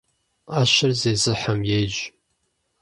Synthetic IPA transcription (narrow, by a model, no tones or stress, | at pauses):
aːʃɪrzeːzɨħamjeːjʒ